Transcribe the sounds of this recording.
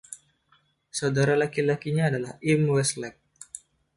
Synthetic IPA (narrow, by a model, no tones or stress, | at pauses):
saudaɾalakilakiɲaːdalahimwɛslɛk̚